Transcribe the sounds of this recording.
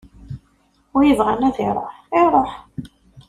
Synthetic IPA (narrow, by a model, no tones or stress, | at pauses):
ʊɾjəvʁanæðɪɾˤɑ̰ħɪɾˤoħ